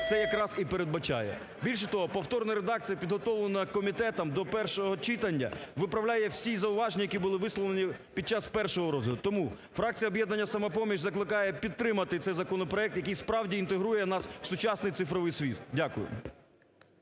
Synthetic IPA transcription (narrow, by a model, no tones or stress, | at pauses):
t̪sɛjɐkɾɑzipeɾed̪̚bɐt͡ʃɑ̰jɛ̰ | bʲilʲʃ̬ɛt̪ɔɦɔpɔwt̪ɔrnɐɾed̪ɑk̚t͡sʲijɐpʲid̪ɦɔt̪ɔʋlˠenɐkɔmʲit̪ɛt̪ɐmd̪ɔpɛrʃɔɦɔt͡ʃɪt̪ɐnʲːɐ̰ʋɪpɾɐwlʲajɛwsʲizɐʊʋɑʒenʲijɐkʲibʊlˠɪʋɪslˠɔʋ̪enʲipʲid̪̚t͡ʃɑspɛrʃɔɦɔɾɔd̪ʊʊt̪ɔmu | fɾɑk̚t͡sʲijɐɔbʲjɛd̪nɐnʲːɐsɐmɐpɔmʲiʃzɐklˠɪkɑjɛpʲidt̪t̪ːɾɪmɐt̪ɪt̪sɛjzɐkɔnɔpɾɔɛk̚t̪jɐkɨjspɾɑwdʲiːnt̪eɦɾujɛnɑsw̥sʊt͡ʃɑsnɪjt̪sɪfɾɔʋɪjsʲʋʲit̪dʲakʊjʊ̰